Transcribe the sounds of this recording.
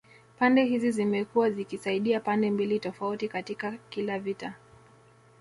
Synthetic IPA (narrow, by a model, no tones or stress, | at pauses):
pandɛɦizizimɛkuwazikisaiɗiapandɛmbilitɔfautikatikakilavita